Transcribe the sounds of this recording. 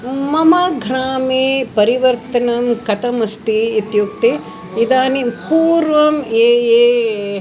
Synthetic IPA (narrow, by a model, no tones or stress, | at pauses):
mɐmɐɡʱɾaːmeːpɐɾiʋɐɾt̪ɐnɐmkɐt̪ɐmɐst̪iːt̪juk̚t̪e | id̪aːnipuːɾʋɐmeːeː